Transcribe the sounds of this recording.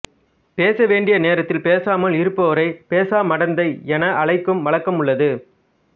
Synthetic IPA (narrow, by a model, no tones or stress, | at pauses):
peːsɐʋeːɳɖɪjɐneːɾɐt̪ːɪlpeːsaːmɐlɪɾɯpːɐʋɐɾɐɪpeːsaːmɐɽɐnd̪ɐɪɛnɐʔɐɭɐɪkːɯmʋɐɭɐkːɐmɯɭːɐðɯ